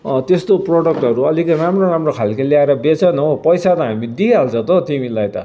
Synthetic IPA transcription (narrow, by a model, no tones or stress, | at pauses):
t̪est̪oproɽʌk̚ʈʌɾuʌlikʌɾamroɾamrokʰalkaljaeɾʌbet͡sʌnʌpʌjsat̪ʌɦamid̪ialt͡sʰʌ̃t̪ʌt̪imilːajt̪ʌ